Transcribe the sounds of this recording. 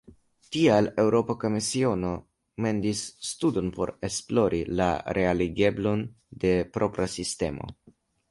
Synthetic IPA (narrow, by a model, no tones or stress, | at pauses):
tiale̞wɾo̞poko̞misio̞no̞ | me̞ndisːtudo̞npo̞ɾe̞splo̞ɾʔila̰ɾʔe̞aliɡe̞blo̞n | de̞pɾo̞pɾasiste̞̰mo̰